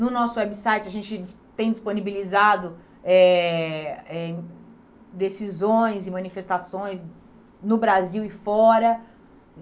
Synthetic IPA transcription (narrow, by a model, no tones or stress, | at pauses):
nʊnɔsʊwɛbisajt͡ʃɪɐʒẽnt͡ʃɪd͡ʒ | t̪ẽj̃d͡ʒisponibilizad̪ʊ | ɛ | ɛ | d̪esizõj̃zɪmɐ̃nifest̪asõj̃s | nʊbɾaziwɪfɔɾɐ